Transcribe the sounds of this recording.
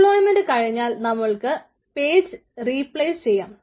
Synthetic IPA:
ɭoːjmendɨkɐɻiɲːaːlnɐmːɐɭkɨ | pe̞ːd͡ʑɨriːpɭejst͡ɕe̞jːaːm

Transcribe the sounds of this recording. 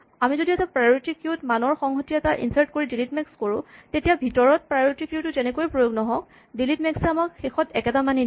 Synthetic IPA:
amizodiɛtapɹajɹitikjutmanɔɹxɔŋɦotiɛtaʔḭnsaɹtkoɹidilitmɛkskoɹʊ̃tetijabʱitɔɹɔt̚pɹajoɹitikjutːʊzɛnɛkojpɹojoɡnɔɦɔk | dilitmɛksɛamakxexɔtɛkɛtamani

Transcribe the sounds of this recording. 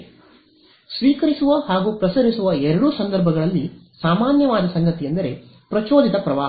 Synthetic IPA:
sʋiːkɐɾisuʋɐhaːɡuːpɾɐsɐɾisuʋɐɛɾɐɽusɐnd̪ɐɾbʱɐɡɐɭɐlːisaːmaːnjɐʋaːd̪ɐsɐŋɡɐt̪ijɐnd̪ɐɾe̞ | pɾɐt͡ʃoːd̪it̪ɐpɾɐʋaːɦ

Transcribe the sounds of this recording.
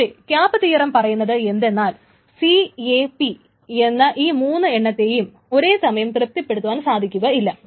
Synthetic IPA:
ekʲjaːpːɐt̪iːɐrɐmpɐrɐjunːɐðɨe̞nd̪e̞nːaːl | siepi | e̞nːɐʔiːmuːnːɨe̞ɳːɐt̪ːe̞ːjum | o̞ɾe̞ːsɐmɐjɐmt̪rɨp̚t̪ːiɐpːe̞ɽut̪ːuʋaːnsaːd̪ʱikʲːuɣɐilːɐ

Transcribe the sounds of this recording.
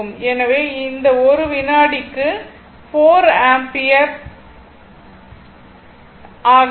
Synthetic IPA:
ɯmɛnɐʋeːɪnd̪ɐɔɾɯʋɪnaːɽɪkːɯ | foːɾaːmpɪjɐp | ʔaːɣ

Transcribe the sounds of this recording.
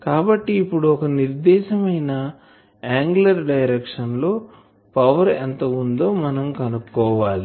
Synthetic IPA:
kaːbɐʈːiːpːuɽuɔkɐniɾd̪ɛːʃɐmɐjnɐ | aːŋɡulɐɾɖɐjɾekʂɐnlo̞ː | pɐʋɐɾɛnt̪ɐund̪oːmɐnɐmkɐnukːɔːʋaːli

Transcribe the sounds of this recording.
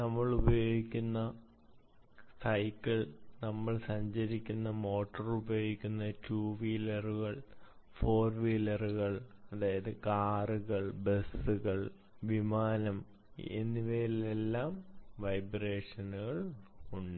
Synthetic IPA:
nɐmːɐɭubɐjo̞ːɡikʲːunːɐ | sɐjkːiɭnɐmːɐɭsɐɲd͡ʑɐɾikʲːunːɐmo̞ːʈːɐrubɐjo̞ːɡikʲːunːɐtuːʋiːlɐruɣɐɭ | fo̞ːrʋiːlɐruɣɐɭɐðaːjɐðɨkaːruɣɐɭbesuɣɐɭ | ʋimaːnɐm | ḛnːiʋeːlelːaːmʋɐjbre̞ːʂɐnuɣɐɭuɳɖɨ

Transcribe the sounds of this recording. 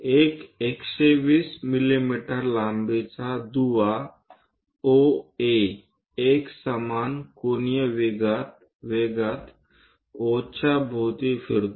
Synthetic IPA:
ekekʃeʋiːsmilimiʈəɾlambet͡sad̪uʋa | oe | eksəmankonijəʋiɡat̪ | ʋeɡat̪ | ot͡ɕabʱot̪ifiɾt̪o

